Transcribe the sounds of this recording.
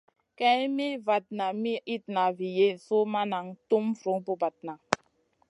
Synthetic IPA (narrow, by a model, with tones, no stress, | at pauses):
kɛ˦mi˦va˨t̚na˨mi˦i˦t̚na˨vi˨je˦˨so˦ma˦na˨ŋtu˦mfɾu˨˦ŋpu˦ba˨t̚na˨